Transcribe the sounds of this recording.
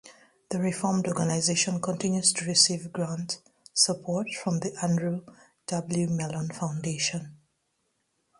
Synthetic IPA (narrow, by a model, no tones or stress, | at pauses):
ðəɹɪfɔɹmdɔɹɡənaɪzeʃə̃nkʰɔ̃ntɪ̃njuz̥tʰuɹɪsivɡɹãnt | səpʰɔɹtfɹɔ̃mðiʔæ̃ndɹu | d̥ʌbl̩jumɛlə̃nfãʊ̃ndeʃə̃n